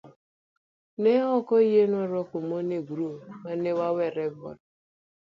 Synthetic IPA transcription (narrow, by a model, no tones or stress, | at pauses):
neɦɔkɔiɦenɔɾɔkʊmoneɡuɾomanewaweɾebɔ̰d̚